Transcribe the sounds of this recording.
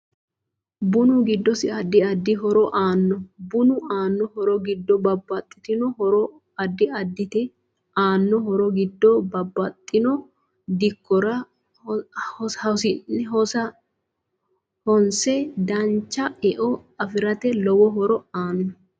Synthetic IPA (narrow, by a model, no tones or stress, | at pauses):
bʊnʊɡɪd̪ːɔsɪɐd̪ːɪɐd̪ːɪɦɔɾɔʔaːnːɔbʊnʊaːnːɔhɔɾɔɡɪd̪ːɔbɐbːɐt̪ʼːɪ̥t̪ɪnɔhɔɾɔ | ɐd̪ːɪɐd̪ːɪt̪ɛ | aːnːɔhɔɾɔɡɪd̪ːɔbɐbːɐt̪ʼːɪnɔ | d̪ɪkːɔɾɐ | hhsɪnɛɦɔsɐ | hɔnsɛd̪ɐnt͡ʃːɐɛʔɔɐfɪɾɐt̪ɛlɔwɔɦɔɾɔaːnːɔ